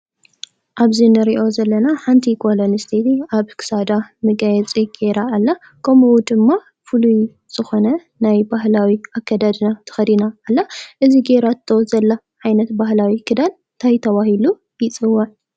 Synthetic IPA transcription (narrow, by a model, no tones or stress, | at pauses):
ʔaβzinɨɾiʔo̞zɐlːɐnaħant̪ʰikʰolonist̪ʰet̪iaβkʰɨ̥sad̪amɨɡajɛt͡sʼiɡ̥eɾaːlːa | kʰɐmʔud̪ɨmːa | fuluj | z̥ɨxo̞nɐ | najbahlawiʔakʰːad̪ad̪ɨnat̪ʰɨ̥xɐd̪inaːlːaʔɨziɡeɾat̪ʰːozɐlːa | ʕajnɐt̪baɦlawikʰɨd̪an | nt̪ʰajt̪ʰɐwahilu | jɪt͡sʼɨwːaʕ